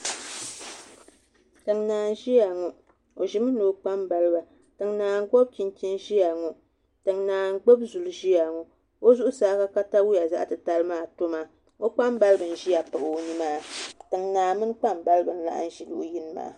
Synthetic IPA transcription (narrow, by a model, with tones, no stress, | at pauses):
tɨ˨ŋnaː˨n˨ʒi˦ja˨ŋu˨ | o˨ʒi˨mɨ˦no˨˦k͡pa˦mba˨lɨ˦ba˨ | tɨ˨ŋnaː˨ŋ˦ɡɔ˦b̚t͡ʃi˦n˦ti˦nʒi˦ja˨ŋu˨ | tɨ˨ŋnaː˨n˦ɡ͡bo˦bzu˨lɨ˦ʒi˦ja˨ŋu˨ | o˦zu˦ʔʊ˦saː˦ka˦ka˦ta˦wu˦ja˨za̰˦ʔtɨ˨ta˦lmaː˦˨to˦maː˨ | o˦k͡pa˦mba˦lɨ˦bɨ˨n̩˨ʒi˦ja˨pa˨ʔni˦maː˦tɨ˨ŋnaː˨mɨ˦n˦k͡pa˦m˨ba˦lɨ˦bɨ˨n̩˦la̰˦ʔa̰˦n̩˦ʒi˨lṵ˦ji˦nɨ˦ma̰ː˨˦˨